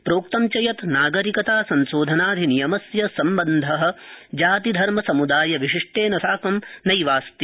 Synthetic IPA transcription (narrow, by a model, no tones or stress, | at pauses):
pɾoːkt̪ɐmt͡ʃɐjɐt̪naːɡɐɾikɐt̪aːsɐnsoːd̪ʱɐnaːd̪ʱinijɐmɐsjɐsɐmbɐnd̪ʱɐɦɐ̆d͡ʒaːt̪id̪ʱɐɾmɐsɐmud̪aːjɐʋiʃiʂʈeːnɐsaːkɐmnɐjʋaːst̪i